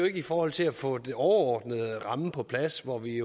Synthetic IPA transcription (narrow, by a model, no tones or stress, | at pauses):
oe̝ɡ̥əifɒːhɒ̽l̰t͡sʰe̝læfɔ̰d̥eɒʊɐɒːd̥nəðˠʁɑ̈məpʰɒ̽pʰlæsʋɒʋi